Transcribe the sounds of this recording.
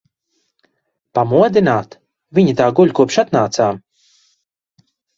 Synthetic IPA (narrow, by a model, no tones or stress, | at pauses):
pamuɔd̪inaːt̪ | viɲit̪aːɡuʎʲkuɔpʃat̪naːt̪saː